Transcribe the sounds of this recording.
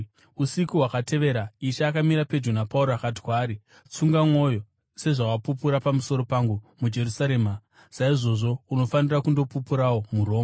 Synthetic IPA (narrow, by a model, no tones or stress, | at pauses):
usikuɦwakate̞ʋe̞ɾaiʃaːkamiɾape̞d͡ʒunapauɾoakati̥kwaːɾi | t͡suŋɡamo̞jo̞ | se̞ʐawapupuɾapamuso̞ɾo̞paŋɡumud͡ʒe̞rusaɾe̞ːma | saiʐo̞ʐo̞uno̞fanirakundo̞pupuɾawo̞muɾo̞ːma